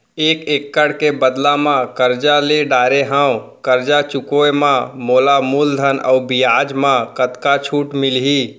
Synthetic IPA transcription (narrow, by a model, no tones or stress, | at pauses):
eːkeːkːəɽkebəd̪lamãkəɾd͡ʒaleɖaːɾeɦãːwkəɾd͡ʒat͡ʃʊkoemãmoːlamuːld̪ʱənə̰ʊbijaːd͡ʒmãkət̪kat͡ʃʰuːʈmɪlɦi